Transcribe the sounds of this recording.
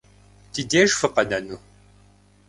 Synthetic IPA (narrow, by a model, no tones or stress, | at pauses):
tideːʒfɨqɐnɐnu